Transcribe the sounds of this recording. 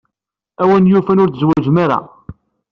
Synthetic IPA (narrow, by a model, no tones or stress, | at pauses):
æwænjufænʊɾθzwæd͡ʒmaɾa̰